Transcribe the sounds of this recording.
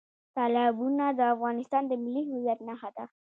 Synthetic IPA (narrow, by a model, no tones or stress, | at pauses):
t̪ɑlɪbunad̪əafɣɑnɪst̪ɑnd̪əmɪlːiɦɪwijat̪naxad̪a